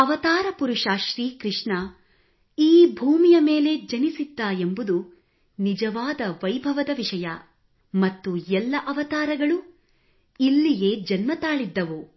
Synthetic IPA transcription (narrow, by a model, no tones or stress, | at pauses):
ɐʋɐt̪aːɾɐpuɾuʂaʃɾiːkɾɪʂɳɐ | iːbʱuːmijɐme̞ːle̞d͡ʒɐnisid̪ːaːjembud̪u | nid͡ʒɐʋaːd̪ɐʋɐjbʱɐʋɐd̪ɐʋiʂɐjɐ | mɐt̪ːujɛlːɐʔɐʋɐt̪aːɾɐɡɐɭu | ilːije̞ːd͡ʒɐnmɐt̪aːɭid̪ːɐʋu